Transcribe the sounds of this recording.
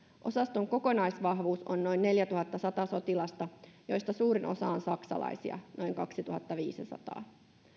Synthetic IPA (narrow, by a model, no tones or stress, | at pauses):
ʔo̞sɑst̪oŋko̞ko̞nɑjsʋɑɦʋuːsonːo̞inːe̞ljæt̪uɦɑt̪ːɑsɑt̪ɑso̞t̪ilɑst̪ɑjojst̪ɑsuːɾinʔo̞̰sɑonsɑksɑ̰lɑ̰jsḭɑ̰no̞iŋkɑksit̪uhɑt̪ːɑʋiːsisɑ̰t̪ɑ̰ː